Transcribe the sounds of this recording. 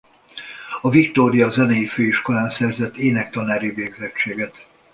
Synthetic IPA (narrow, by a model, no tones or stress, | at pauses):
ɒvikt̪oːɾijɒzɛnɛjiføːiʃko̞laːnsɛrzɛt̪ːeːnɛkt̪ɒnaːɾiveːɡzɛt͡ʃt͡ʃːeːɡɛt̪